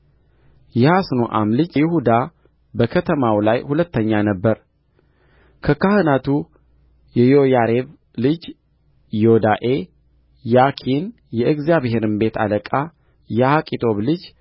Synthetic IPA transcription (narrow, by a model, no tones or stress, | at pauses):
jɛhasnoʔa̰mlɨd͡ʒjɪhud̪a | bəkʰət̪ʰəmawlajhulət̪ʰːəɲːanəbːəɾ | kʰəkʰahɨnat̪ʰu | jɛjo̞jaɾe̞β | lɨd͡ʒ | jod̪aʔe̞ | jakʰin | jɛʔɨɡzjaβhe̞ɾɨnbe̞t̪ʰa̰ləkʼa | jahakʼit̪ʰo̞βlɨd͡ʒ